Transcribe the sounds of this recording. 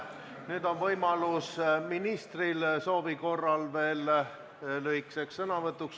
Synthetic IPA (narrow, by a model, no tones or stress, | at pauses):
nyːd̪̥o̞nvɤjmɑlusminist̪rilso̞ːviko̞rːɑlve̞ːl | lyhikseksːɤnɑvɤt̪ˑːuks